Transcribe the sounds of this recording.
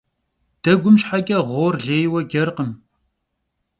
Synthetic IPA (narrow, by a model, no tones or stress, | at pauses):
d̥ɐɡʷʊmʃħakʲʼɐʁʷoːrɮeːjwɐɡʲɐrqəm